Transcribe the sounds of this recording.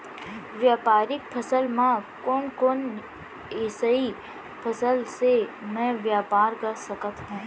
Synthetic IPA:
ʋjaːpaːɾɪk̚pʰɐsəlmãkoːnkoːn | eːsəi | pʰəsəlsemɛ̃ʋjaːpaːɾkɐsəkət̪ɦũː

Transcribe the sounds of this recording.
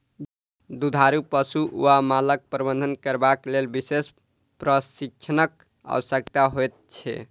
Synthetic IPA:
d̪ud̪ʱaɾupəsuʔuamalək̚pɾəbənd̪ʱənkəɾbaklelbises | pɾəsik̚t͡ʃʰənək | a̰ʋəsəkt̪aɦojt̪̚t͡ʃʰɛ̰

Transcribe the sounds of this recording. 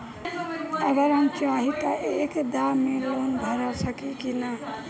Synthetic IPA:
əbəɾãŋt͡ʃoaɦikaʔekd̪amelonbʱəɾasəkikina

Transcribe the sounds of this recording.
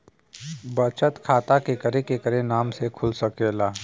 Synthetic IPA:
bɐt͡ʃət̪kʰaːt̪akekɐɾekekəɾenaːmsekʰʊlsɐkeːlaː

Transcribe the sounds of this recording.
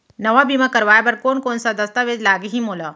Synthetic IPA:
nəʋabimakəɾʋaːjabəɾkoːnkoːnsad̪əst̪aʋed͡ʒlaːɡiɦimoːla

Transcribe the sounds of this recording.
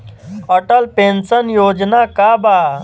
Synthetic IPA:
əʈəlpẽnsənjoːd͡ʒnakabaː

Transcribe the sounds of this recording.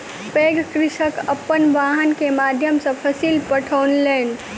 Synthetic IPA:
peɡkɾɪʃəkəpːənʋaɦənkemad̪ʱjəmsə̃pʰəsilpəʈʰəwnlen

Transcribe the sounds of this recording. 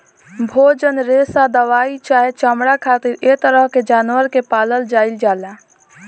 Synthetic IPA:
bʱoːd͡ʒənɾeːsad̪əʋaːit͡ʃaːɦet͡ʃamɽakʰaːt̪ɪɾet̪əɾəɦked͡ʒaːnwəɾkepaːləld͡ʒaːɪld͡ʒaːla

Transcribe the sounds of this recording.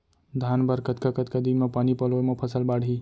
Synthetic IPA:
d̪ʱanbəɾkət̪̚kakət̪kad̪inmapanipəlomapʰəsəlbaɽ̤ʱɦi

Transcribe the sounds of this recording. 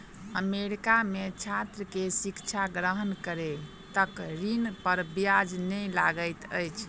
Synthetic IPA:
əmeɾikamet͡ʃʰat̪ɾəkesikt͡ʃʰaɡɾəɦənkəɾe | t̪əkɾinpəɾbijad͡ʒnɛlaɡəjt̪ə̰jt͡ʃʰ

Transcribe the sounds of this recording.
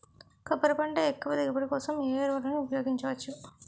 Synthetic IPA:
kɐpːɐɾɐpɐɳɖɐekːuʋɐd̪iɡɐpɐɽɐkɔːsɐmeːɾʋɐɾɐniupɐjoːɡiɲt͡ʃɐʋɐt͡ʃːu

